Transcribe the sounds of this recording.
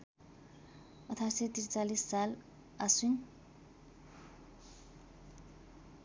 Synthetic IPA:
ʌt̪ʰasejt̪irt͡salisːal | asun

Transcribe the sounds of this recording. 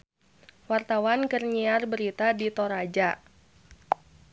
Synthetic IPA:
wart̪awankərɲiarbəɾit̪adit̪ɔɾad͡ʒa

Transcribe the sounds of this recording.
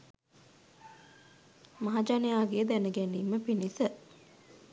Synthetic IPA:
maɦad͡ʒanejaːɡeːd̪ænəɡæniːməpinisə

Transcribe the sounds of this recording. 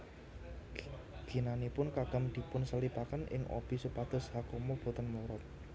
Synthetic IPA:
ɡ̥i̤nanipʊnkaɡ̥ə̤md̪̥i̤pʊnsəlipakənʔɪ̰ŋʔo̰b̥i̤supad̪̥ʊ̤shakomɔb̥o̤t̪ənmoɾɔt̪̚

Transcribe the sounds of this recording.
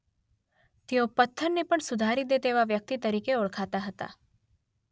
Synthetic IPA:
t̪ejopət̪ʰːəɾnepəɳsʊd̪ʱaːɾid̪et̪eːʋaʋjək̚t̪it̪əɾiːkeʊɭkʰaːt̪aɦət̪a̰ː

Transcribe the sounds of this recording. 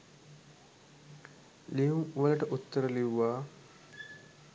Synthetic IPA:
liuŋuʋələʈəʔut̪ːəɾəliwːaː

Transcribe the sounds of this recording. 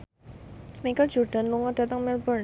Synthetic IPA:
mikəld͡ʒɔrd̥a̤nluŋɔd̥a̤t̪əŋmɪlbɔr

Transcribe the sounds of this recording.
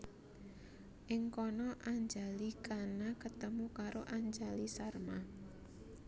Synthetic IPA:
ʔɪŋkɔnɔʔaɲd͡ʒalikanakət̪əmukaɾoʔaɲd͡ʒalisarma

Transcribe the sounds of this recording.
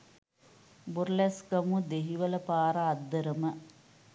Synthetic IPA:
burlɛskəmud̪eɦiʋələpaːɾəad̪ːəɾəmə

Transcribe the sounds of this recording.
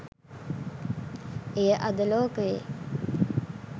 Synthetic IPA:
ejəʔɐd̪əloːkəʋḛ

